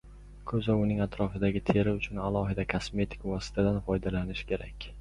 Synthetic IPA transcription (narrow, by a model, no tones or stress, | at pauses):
kʰɵzaʊnɪŋat̪ɾɒfɪd̪aɡʲɪt̪ʰe̞ɾɪʊt͡ʃʰʊnalˠɒɦɪd̪akʰasme̞t̪ʰɪ̥kvɒsɪ̥t̪ʰad̪anfɒjd̪alanɪʃkʲʰe̞ɾakʲ